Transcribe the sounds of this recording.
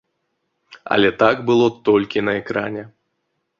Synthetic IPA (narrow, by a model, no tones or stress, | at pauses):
ɐ̰lʲɛt̪aɡbɨlˠɔt̪ɔlʲkʲinɐɛkɾanʲɛ